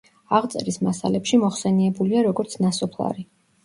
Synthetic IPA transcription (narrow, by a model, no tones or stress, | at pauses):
aʁt̪sʼɛ̰ɾismasa̰lɛpʃimɔχsɛniɛbuliaɾɔɡɔɾt̪sʰnasɔpʰlˠa̰ɾi